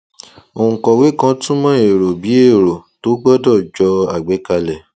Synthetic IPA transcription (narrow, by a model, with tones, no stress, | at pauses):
õ˨kɔ˨we˨˦kã˧˦tũ˦mã˦e˨ɾo˨bi˨˦e˦˨ɾo˨to˨˦ɡ͡bɔ˦dɔ˦˨d͡ʒɔ˧a˨ɡ͡be˨˦ka˧lɛ˨